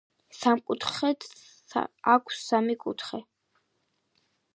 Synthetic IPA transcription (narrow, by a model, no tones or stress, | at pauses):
samkʼut̪ʰχɛt̪ | akʷʰsːamikʼut̪ʰχɛ